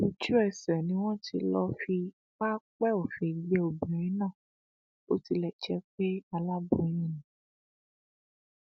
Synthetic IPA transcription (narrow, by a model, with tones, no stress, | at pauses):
u˨˧t͡ʃu˦ɛ˨sɛ˨nĩ˨˦w̃ɔ̃˦ti˧lɔ˧fi˧ | k͡pa˦k͡pɛ˦o˨fe˨˦ɡ͡be˧o˨bĩ˨ɾ̃ĩ˦nãː˦˨ | o˦ti˧lɛ˨t͡ʃɛ˧k͡pe˦a˧la˦bũ˧˦j̃ĩ˦nĩ˨